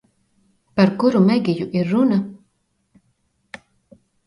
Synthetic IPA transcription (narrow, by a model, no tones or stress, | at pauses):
paɾkuɾumæɡijuʔiɾːuna